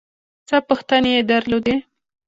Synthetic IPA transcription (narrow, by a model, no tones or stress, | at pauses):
t͡səpəxt̪aneed̪aɾlod̪e